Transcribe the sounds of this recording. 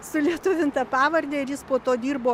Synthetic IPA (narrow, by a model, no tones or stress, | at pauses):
sʊlʲiɛt̪ʊʋʲɪnt̪ɑːpɑːʋɐɾʲd̪ʲɛɪɾjɪspoːt̪oːd̪ʲiːrboː